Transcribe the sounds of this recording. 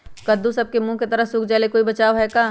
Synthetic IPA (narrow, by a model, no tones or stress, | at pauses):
kɐd̪ũsɐb̚kemũːket̪ɐɾəɦsuːkʰd͡ʒaːlekoːibɐt͡ʃaːʋɦɛkaː